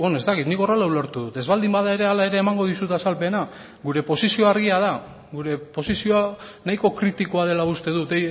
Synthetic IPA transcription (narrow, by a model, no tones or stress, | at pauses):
bonoe̞st̪akit̪niko̞relawloɾt̪uðut̪ezβald̪imbaðae̞ɾe̞alae̞ɾe̞ːmaŋɡo̞ð̞isut̪asalpe̞na | ɡuɾe̞po̞sisio̞aɾɣiað̞a | ɣuɾe̞po̞sisio̞anajko̞kɾit̪iko̞að̞e̞laust̪e̞ðut̪ej